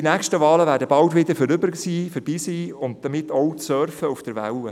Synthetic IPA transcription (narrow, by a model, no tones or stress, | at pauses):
inæːkʃtəʋɑːləʋæːdəbɑltʋɪd̪əɾfɔɾʏbəɾsiːfəɾb̥iːsiːʊnt̚d̥əmɪtʰːɔʊtsœːɾffəʊfd̥əɾʋæ̰wə